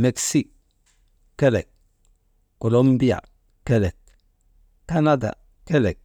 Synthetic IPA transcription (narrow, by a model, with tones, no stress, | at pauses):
me˨ksi˦kː | ɛ˦lɛ˨k̚ | ko˨lo˦mbi˦a̰˨ | kɛ˦lɛ˨k̚ | ka˦na˦da̰˨ | kɛ˦le˨k̚